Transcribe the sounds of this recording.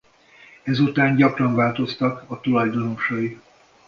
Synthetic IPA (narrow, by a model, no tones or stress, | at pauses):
ɛzut̪aːɲɟɒkrɒɱvaːlt̪o̞st̪ɒkɒt̪ulɒjd̪ono̞ʃɒi